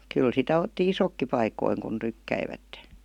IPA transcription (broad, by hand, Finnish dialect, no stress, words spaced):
kyl sitæ otːi isokːi pɑikoiŋ kun tykːæiʋætːe